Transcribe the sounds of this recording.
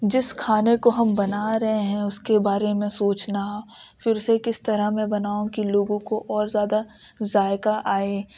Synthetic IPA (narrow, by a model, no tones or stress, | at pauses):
d͡ʒɪskʰaːnekoɦɐmbɐnaɾɐɦeɦɛ̃ʊskebaːɾemẽsoːt͡ʃnaɦ | fɪɾsekɪst̪ɐɾəɦmẽbɐnaːõkiloːɡõkoʔɔːɾzjaːd̪a | zaːɪkaʔaːeː